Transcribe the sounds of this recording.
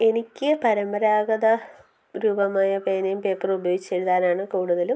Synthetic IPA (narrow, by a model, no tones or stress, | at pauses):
e̞nikʲːɨpɐɾɐmbɐɾaːɡɐðɐ | ɾuːbɐmaːjɐpeːnɐmpeːkːɐrubɐjoːɡit͡ɕːeɻuðaːlaːɳɨkuːɽuðɐlum